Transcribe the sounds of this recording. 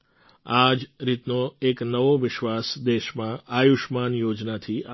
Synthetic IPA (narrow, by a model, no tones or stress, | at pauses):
ad͡ʒɾit̪noeknəʋoʋɪʃʋasd̪eʃmãajuʃmanjod͡ʒnat̪ʰia